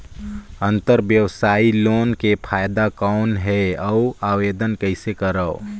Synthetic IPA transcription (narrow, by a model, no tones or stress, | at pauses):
ə̃nt̪əɾʋjəwsaːiloːnkepʰaːjd̪akɔːnɦɛəʊaːweːd̪ənkəɪsekəɾəː